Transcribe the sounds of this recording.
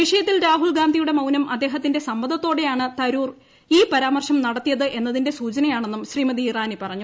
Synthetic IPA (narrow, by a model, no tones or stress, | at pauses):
ʋiʂɐjɐt̪ːilɾaːɦulɡaːnd̪ʱijuɽe̞mɐwnɐmʔɐ̰d̪ːe̞ːɦɐt̪ːinde̞sɐmbɐd̪ɐt̪ːo̞ːɽe̞jaːɳɨt̪ɐɾuːr | iːpɐɾaːmɐrʂɐmnɐɽɐt̪ːijɐðɨʔe̞nːɐðinde̞suːt͡ɕɐnɐjaːɳe̞nːumɕriːmɐd̪iraːnipɐrɐɲːu